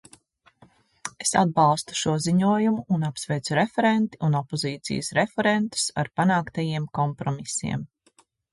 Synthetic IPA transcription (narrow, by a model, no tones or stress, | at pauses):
esa̰d̪̚bɑlˠst̪u̥ʃuɔziɲuɔjumuːnapsvɛjt̪suɾefɛɾent̪i̥unɔpɔziːt̪sḭjəsɾefɛɾent̪u̥sa̰ɾpanaːkt̪ajiɛmkɔmpɾɔmisḭɛm